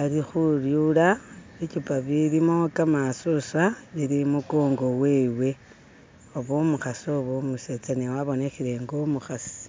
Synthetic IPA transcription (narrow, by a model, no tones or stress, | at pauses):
alixuljulaβicupaβilimokamasoswaβiɾimukoːŋɡo̞we̞ːwe̞ | oβomuxasoβomuse̞t͡sanewaβo̞ne̞xiɾe̞ŋɡomuxasi̥